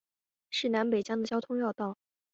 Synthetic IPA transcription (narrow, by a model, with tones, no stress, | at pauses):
ʂɻ̩˥˩na˧˥npe˨˩ɪt͡ɕjɑ˥ŋd̪ə˨˩t͡ɕjɑ˥ʊt̪ʰʊ˥ŋjɑ˥˧ʊt̪ɑ˥˩ʊ